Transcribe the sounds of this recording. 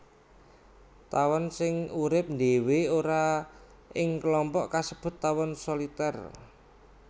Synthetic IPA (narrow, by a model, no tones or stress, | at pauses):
t̪awɔnsɪŋuɾɪp̚nd̪eweoɾa | ɪŋkəlɔmpɔʔkasəb̥ʊ̤t̪ːawɔnsolit̪ɛr